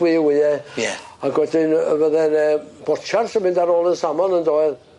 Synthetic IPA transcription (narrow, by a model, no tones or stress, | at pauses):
wiːwiːɛɛaɡwɛdɪnəvəðɛnɛb̥ɔt͡ʃʰarsəmɪndaɾoːlˠənsamɔnəndoːɨð